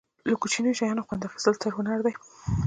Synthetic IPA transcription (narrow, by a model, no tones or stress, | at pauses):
lakut͡ʃinəjoʃajɑnoxwand̪afḁz̥əlt̪ʰəɾhʊnaɾd̪aj